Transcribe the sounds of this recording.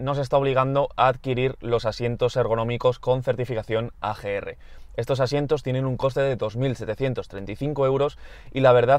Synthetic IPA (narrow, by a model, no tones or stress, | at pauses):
no̞se̞st̪ao̞βliɣ̞and̪o̞ʔaːðkiɾiɾlo̞sasje̞nt̪o̞seɾɣo̞nõ̞miko̞sko̞nθe̞ɾt̪ifikaθjo̞na̰xe̞ere̞̰ | e̞st̪o̞s̬asje̞nt̪ot̪je̞nẽ̞nuŋko̞st̪e̞ðe̞ðo̞zmilset̪e̞θje̞nt̪o̞st̪ɾe̞nt̪ijθiŋko̞e̞wɾo̞silaβ̞e̞ɾða